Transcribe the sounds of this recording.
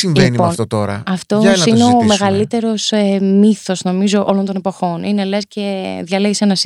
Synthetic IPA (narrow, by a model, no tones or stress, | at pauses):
siɱveinipoɐnt̪ot̪o̞ɾɐ̰ɐft̪osineome̞ɣɐlit̪e̞ɾo̞semiθo̞zno̞mizo̞ʔo̞lo̞nt̪̬o̞nepo̞xo̞ninelesce̞ðʝɐleʝesenɐs